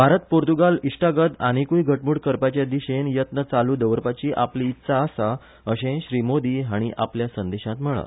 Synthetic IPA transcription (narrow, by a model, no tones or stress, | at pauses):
bʱaɾət̪̚poɾt̪uɡaliʂʈaɡət̪aɽ̃ikujɡʱəʈmuːɽkəɾpat͡ɕjad̪iɕenjət̪nət͡saluːd̪əʋɾpat͡ɕiːʔapliːt̪ːsaːsa | əɕẽɕɾimod̪iːɦaɽ̃iʔa̰pljasənd̪eɕãt̪m̤əɭa̰